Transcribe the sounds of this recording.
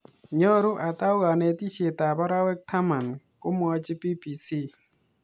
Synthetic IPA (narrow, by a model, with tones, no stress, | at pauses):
ɲɔ˦ɾu˦ʔa˨ta˦ʊ˦ɣa˨nɛ˨ti˦ʃe˨ta˨ba˦ɾa˦wɛ˦k̚tʰa˦ma˨n | kʊ˦m˦ɔ˧˦t͡ʃɪ˦pi˦pi˨si˦˨